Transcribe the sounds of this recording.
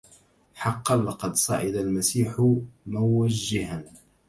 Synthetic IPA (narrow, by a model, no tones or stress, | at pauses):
ħɑqːɑlɑqɑd̪sˤɑ̰ʔɪd̪almasiːħʊmʊwaʒːɪhan